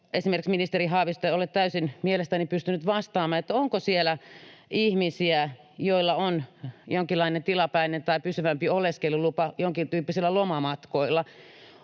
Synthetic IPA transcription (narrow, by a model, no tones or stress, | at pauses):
esimerksminist̪erihɑːʋist̪eolet̪t̪æysinmielest̪ænipyst̪ynyt̪ʋɑst̪ɑːmˑɑːet̪ːæoŋkosielæihmisiæ | joilːɑonjoŋkilːɑinent̪ilɑpæinent̪ɑipysyʋæmpioleskelulupɑjoŋkit̪yːpːisilːælomɑmɑt̪koilːˑɑ